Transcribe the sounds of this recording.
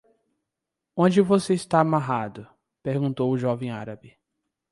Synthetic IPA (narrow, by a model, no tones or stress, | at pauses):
õd͡ʒɪvoseist̪aamaɦad̪ʊ | peɾɡũnt̪owʊʒɔvẽj̃aɾabɪ